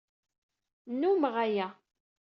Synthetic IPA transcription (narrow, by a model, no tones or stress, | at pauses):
nːuməʁæjæ